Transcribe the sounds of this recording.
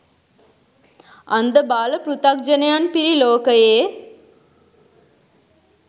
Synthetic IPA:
ɐnd̪əbaːlɐpɾut̪ak̚d͡ʒɐnɐjanpiɾiloːkəjeː

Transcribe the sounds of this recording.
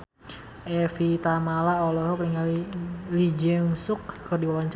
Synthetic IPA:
ʔɛfit̪amalaolɔɦɔkniŋalilid͡ʒəŋsʊkkərdiwawaɲt͡ʃ

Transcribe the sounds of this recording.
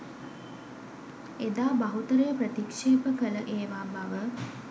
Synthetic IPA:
ed̪aːbaɦut̪əɾəjəprət̪ikʂeːpəkələʔeːʋaːbaʋə

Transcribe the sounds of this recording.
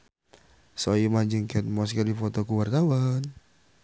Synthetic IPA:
sɔjimaɲd͡ʒəŋkɛnmɔskədifot̪ɔkuwart̪awan

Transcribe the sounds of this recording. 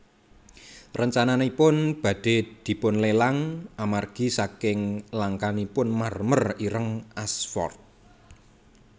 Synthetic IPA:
rəɲt͡ʃananipʊnb̥a̤d̥e̤d̪̥i̤pʊnlelaŋʔamarɡ̥i̤sakɪŋlaŋkanipʊnmarməriɾəŋʔasfɔ̰rt̪̚

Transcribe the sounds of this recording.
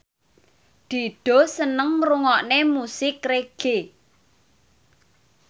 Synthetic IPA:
d̪̥i̤ɖ̪̥ɔ̤sənəŋmɾuŋɔʔnemusɪkreɡ̥e

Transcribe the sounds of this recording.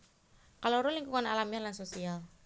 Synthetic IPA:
kaloɾuliŋkuŋanalamianlansosial

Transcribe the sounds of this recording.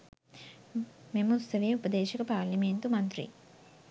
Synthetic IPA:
memusɐʋeːupɐd̪eːʃikɐpaːɾlɐment̪umɐnt̪ɾḭ

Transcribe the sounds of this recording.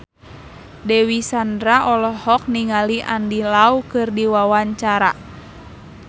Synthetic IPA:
dɛwisandɾaʔɔlɔhɔk̚niŋaliʔandilaukɨrdiwawaɲt͡ʃaɾa

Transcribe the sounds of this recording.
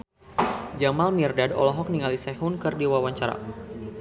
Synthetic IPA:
d͡ʒamalmirdadɔ̰lɔɦɔk̚niŋalisɛɦunkɨrdiwawaɲt͡ʃaɾa̰

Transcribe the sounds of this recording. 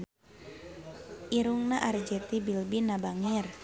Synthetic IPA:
ʔiɾuŋnaʔard͡ʒɛt̪ibilbinabaŋir

